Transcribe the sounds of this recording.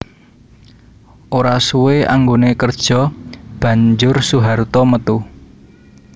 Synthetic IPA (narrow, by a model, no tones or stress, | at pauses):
ʔoɾasuwea̰ŋɡonekərd̥ʒ̥ɔ̤b̥ä̤ɲd͡ʒʊrsuɦart̪ɔmət̪u